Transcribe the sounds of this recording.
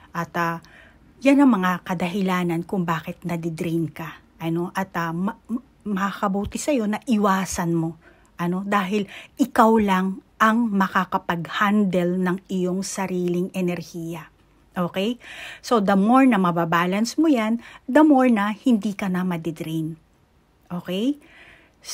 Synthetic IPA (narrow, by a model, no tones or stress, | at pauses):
ʔɐt̪ɐ | janɐŋmɐŋakɐd̪ɐɦɪlaːnɐnkʊŋbaːkɪt̪̚nɐd̪ɪd̪ɾinkɐ | ʔɐno̞ʔɐt̪ɐmɐ | mɐkakɐbuːt̪ɪsɐjo̞nɐʔɪwaːsɐnmo̞ | ʔɐno̞d̪aːɦɪlʔɪkawlɐŋʔɐŋmɐkakɐpɐɡ̚hand̪ɛlnɐŋɪjo̞ŋsɐɾiːlɪŋɛnɛɾhiːjɐ | ʔoːkɛjso̞d̪ɐmoɹnɐmɐbabaːlɐnsmojand̪ɐmoɹnɐhɪnd̪iːkɐnɐmɐd̪ɪd̪ɾin | ʔo̞ːkɛj